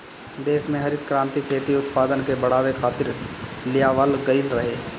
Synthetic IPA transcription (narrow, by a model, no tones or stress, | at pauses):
d̪eːsmẽɦɐɾɪt̪kɾãːnt̪ikʰeːt̪iʊt̪paːd̪ənkebɐɽ̤aːʋekʰaːt̪ɪɾlɪjaʋəlɡɐɪlɾɐɦeː